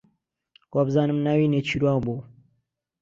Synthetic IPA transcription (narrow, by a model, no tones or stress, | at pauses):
kobɨzaːnɨmnaːwinet͡ʃʰiːɾuwaːboː